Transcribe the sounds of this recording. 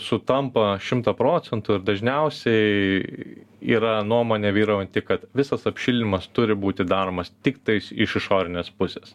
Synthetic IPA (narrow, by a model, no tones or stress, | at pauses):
sʊt̪ɐmpɐʃʲɪmt̪ɐpɾoːt͡s̪ʲɛnt̪ʊɪɾd̪ɐʒʲnʲɛʊsʲɛɪ | ḭːɾɐnuɔmoːnʲeːʋʲiːɾɐːʊnʲt̪ʲɪkɐt̪ʋʲɪsɐsɐpʲʃʲɪlʲnʲɪmɐst̪ʊɾʲɪbuːt̪ʲɪd̪ɑːɾoːmɐst̪ʲɪkt̪ɐɪsɪʃɪʃoːɾʲɪnʲeːspʊsʲeːs